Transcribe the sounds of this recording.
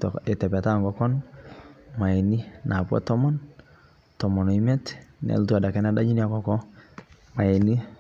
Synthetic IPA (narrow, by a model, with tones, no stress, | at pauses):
tɛ˨tɛ˨pɛ˨ta˦ŋɡɔkɔ˦n | ma˨ɛ˨ni˦nʔa˨pwa̰˦tɔ˦mɔ˦n | tɔ˨mɔ˨nɔ˨i˦mɛ˦tnɛ̰˨ltua˨da˨kɛ˦na˦da˦d͡ʒi˦nia˨kɔ˨kɔ˦ | ma˨ɛ˨ni˦